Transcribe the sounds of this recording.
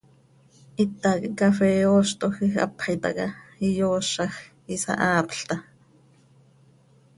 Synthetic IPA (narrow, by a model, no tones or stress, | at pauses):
ʔit̪ːakiʔkafɛoːʃt̪oxixa̰pajt̪ɑ̰kaijoːʃɑx | isa̰ʔaːpɬt̪ɑ